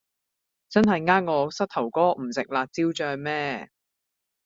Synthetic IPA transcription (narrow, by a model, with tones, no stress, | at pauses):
t͡sɐ˥nɦɐ˨jŋaː˥ŋŋɔː˨˧sɐ˥t̚t̪ʰɐ˨˩wkɔː˥m̩˨˩sɪ˨k̚laː˨k̚t͡siː˥wt͡ʃœː˧ŋmɛː˥